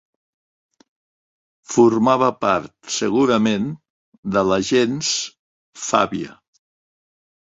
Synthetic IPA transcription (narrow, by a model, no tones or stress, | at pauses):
fuɾmaβəpaɾt̪səɣuɾəmen | d̪ələʒens | fa̰βiə̰